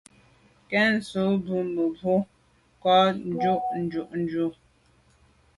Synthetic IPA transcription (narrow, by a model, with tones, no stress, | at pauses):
kɛ˦n̩˨so˨˦bu˦mə˨bu˦ | kɔ˦n˦d͡ʒu˦ʔn̩˨˦d͡ʒu˨ʔn̩˦d͡ʒu˦